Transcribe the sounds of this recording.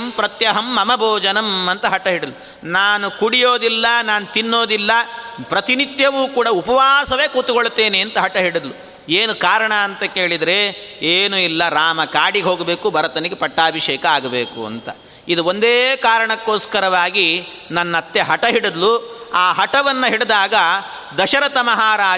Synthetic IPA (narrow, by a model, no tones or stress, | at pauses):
mpɾɐt̪jɐɦɐmːɐmɐbʱɔːd͡ʒɐnɐmɐnt̪ɐɦɐʈɐɦiɽid̪lu | naːnukuɽijoːd̪ilːɐnaːnut̪inːoːd̪ilːɐpɾɐt̪init̪jɐʋuːkuːɽɐupɐʋaːsɐʋe̞ːkuːt̪uɡoɭt̪ːe̞ːneɐnt̪ɐɦɐʈɐɦiɽɐd̪lu | eːnukaːɾɐɳɐːnt̪ɐke̞ːɭid̪ɾe̞eːnuilːɐɾaːmɐkaːɽiɡɦo̞ːɡɐbe̞ːkubʱɐɾɐt̪ɐniɡepɐʈːaːbʱiʃɛːkɐaːɡɐbeːkuɐ̰nt̪ɐ | id̪uond̪eːkaːɾɐɳɐkːoːskɐɾɐʋaːɡi | nɐnːɐːt̪ːjeɦɐʈɐɦiɽud̪luaːɦɐʈɐʋɐnːɐɦiɽed̪aːɡɐ | d̪ɐʃɐɾɐt̪ɐmɐɦaːɾaː